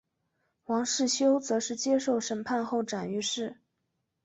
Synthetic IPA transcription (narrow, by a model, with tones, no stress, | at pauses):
wɑ˧˥ŋʂɻ̩˥˩ɕjo˥ʊt͡sɤ˧˥ʂɻ̩˥˩t͡ɕjɛ˥ʂo˥˩ʊʂə˧˥npʰa˥˧nxo˥˩ʊʈ͡ʂa˨˩ny˥˧ʂɻ̩˥˩